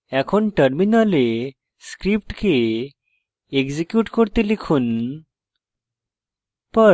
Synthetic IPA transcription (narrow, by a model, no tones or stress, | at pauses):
ɛkʰoɳʈəɾminale | skɾip̚ʈkʰe | ɡd͡ʑekjuːʈkoɾt̪elikʰuːn | pə